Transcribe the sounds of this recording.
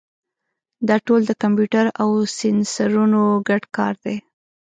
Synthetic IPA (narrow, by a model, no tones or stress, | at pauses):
d̪ɑʈold̪əkampjuʈaɾawsɪnsaɾunoɡaɖkɑ̰ɾd̪e